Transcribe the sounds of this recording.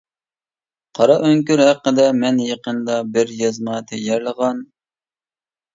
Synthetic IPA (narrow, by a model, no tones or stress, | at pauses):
qʰɑɾɑʔøŋkʲyɾhæqːəd̪ɛmɛnjeqənd̪ɑbɪɾjɑzmɑt̪ʰɛjæɾləʁɑn